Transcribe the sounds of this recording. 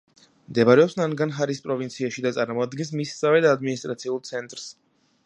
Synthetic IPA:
md̪ɛbaɾɛɔpsnanɡanɦaɾispʼɾɔvint̪sʰiaʃid̪at̪sʼaɾmɔad̪ɡɛns̬missavɛd̪aad̪minist̪ʼɾat̪sʰiulˠt̪sʰɛnt̪ʼɾs

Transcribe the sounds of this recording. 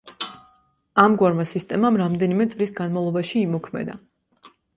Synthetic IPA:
amɡwaɾmasist̪ʼɛmamɾamd̪ɛnimɛt̪sʼlisɡanmavlˠɔbaʃiːmɔkʰmɛ̰d̪a

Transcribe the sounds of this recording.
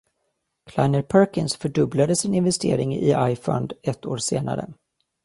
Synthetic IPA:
kʰlaɪnəɾpʰœɾkɪnsfœɖɵblad̪əsɪnɪnvɛst̪ʰeːɾɪŋɪ̰ʔajfɔ̰nd̪ɛt̪ːoːɾseːna̰ɾə̰

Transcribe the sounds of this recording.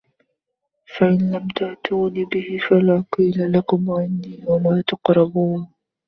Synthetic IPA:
faʔɪnlamt̪aʕt̪uːniːbɪhɪfalaːqiːlalakʊmʕanːiːwamaːt̪ɑqɾˤɑbuːn

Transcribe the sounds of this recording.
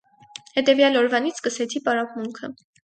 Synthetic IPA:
hɛt̪ɛvjɑlɔɾvɑnit͡sʰkəsɛt͡sʰipɑɾɑpmuŋkʰə

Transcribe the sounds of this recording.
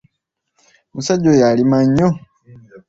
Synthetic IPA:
musaɟːojalimaɲːo

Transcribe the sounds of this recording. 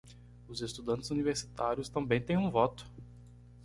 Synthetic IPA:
ʊzest̪ud̪ɐ̃t̪ɪ̥zuniveɾsi̥t̪aɾjʊst̪ɐ̃mbẽj̃t̪ẽj̃ũvɔt̪ʊ̥

